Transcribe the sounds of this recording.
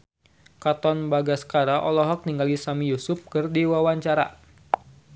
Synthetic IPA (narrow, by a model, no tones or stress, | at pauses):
kat̪ɔnbaɡasə̥kaɾaʔɔlɔɦɔk̚niŋɡalisamijusʊp̚kɨrdiwawaɲt͡ʃaɾa̰